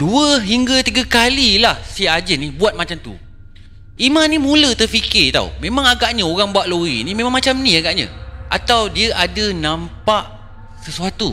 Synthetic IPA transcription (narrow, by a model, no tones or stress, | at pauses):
duəɦiŋɡat̪iɡakalilahsiad͡ʒənibuat̪̚mat͡ʃamt̪ṵ | imãnimũlət̪ərfikɪt̪a̰ṵmẽmãŋaɡaʔɲəoɣaŋbuaʔloɣḭnimẽmaŋmat͡ʃamniaɡaʔɲə̰ʔa̰t̪awdiəʔadənãmpaʔ | səsuat̪u